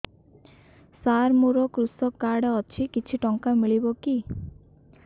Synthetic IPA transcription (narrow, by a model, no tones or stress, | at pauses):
saɾmuɾɔkɾusɔkːaɽɔt͡ʃʰikit͡ʃʰiʈɔŋkamiɭibɔki